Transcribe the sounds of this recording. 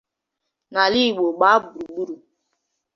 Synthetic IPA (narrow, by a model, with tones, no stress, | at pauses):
na˨li˦˨ɡ͡bo˨ɡ͡ba˨˦bu˨ɾu˨ɡ͡bu˦ɾu˨